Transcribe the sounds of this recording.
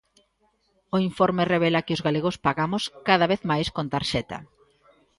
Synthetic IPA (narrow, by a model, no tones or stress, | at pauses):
ʊiɱfɔɾmereβ̞ɛlakɪozɣaleɣospaɣamʊskaðaβeθmajskont̪aɾʃɛt̪a̰